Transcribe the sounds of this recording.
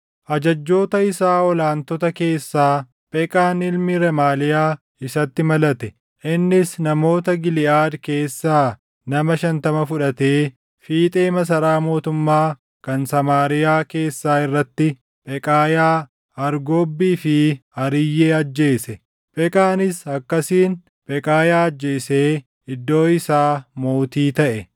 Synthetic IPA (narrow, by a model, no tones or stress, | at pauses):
ʔɐd͡ʒɐd͡ʒːo̞ːt̪ɐɪsaːɔlaːnt̪ɔt̪ɐke̞ːsːaː | pʼɛkʼaːnɪlmɪɾɛmaːlɪjaː | ɪsɐt̪ːɪmɐlɐt̪ɛ | ʔɪnːɪsnɐmo̞ːt̪ɐɡɪlɪʔaːd̪ke̞ːsːaː | nɐmɐʃɐnt̪ɐmɐfʊᶑɐt̪e̞ː | fiːt̪ʼe̞ːmɐs̬ɐɾaːmo̞ːt̪ʊmːaː | kɐnsɐmaːɾɪjaːke̞ːsːaːɪrːɐt̪ːɪ | bʼɛkʼaːjaː | ɐɾɡo̞ːbːiːfɪɐɾɪjːe̞ːɐd͡ʒːe̞ːsɛ | pʼɛkʼaːnɪsɐkːɐsiːn | pʼɛkʼaːjaːɐd͡ʒːe̞ːseː | ɪd̪ːo̞ːɪsaːmo̞ːt̪iːt̪ɐʔɛ